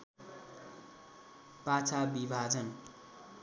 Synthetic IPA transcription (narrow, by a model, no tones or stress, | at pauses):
pat͡sʰabibʱad͡zʌn